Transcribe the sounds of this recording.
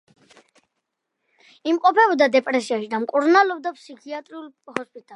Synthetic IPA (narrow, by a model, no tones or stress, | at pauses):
imqʼɔpʰɛbɔd̪ad̪ɛpʼɾɛsiaʃid̪amkʼuɾnalɔb̚d̪apʰsikʰiat̪ʼɾiul | hɔspʼit̪ʼa